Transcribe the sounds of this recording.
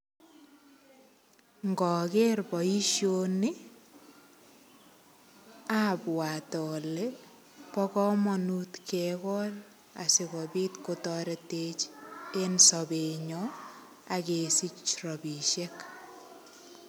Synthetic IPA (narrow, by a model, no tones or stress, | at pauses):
ŋɡɔkerbɔiʃjoni | apwatɔle | pɔkɔmɔnutkʰɛkɔl | a̰sebɔbitkotɔɾetet͡ʃensɔbeɲɔ | akesit͡ʃrɔbiʃek